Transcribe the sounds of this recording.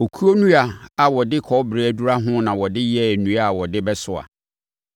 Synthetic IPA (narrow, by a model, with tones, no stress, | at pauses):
o˨kʰu˦o˦nũ˦a˨a˨wɔ˨dɪ˦kʰɔ˨˦bɾe˨æ˨du˦ɾa˦ɦʊ̃˦nã˨wɔ˨dɪ˦jɛ˦˨nũ˨˦a˦˨wɔ˨dɪ˦bɛ˦sʊ˨a̰˨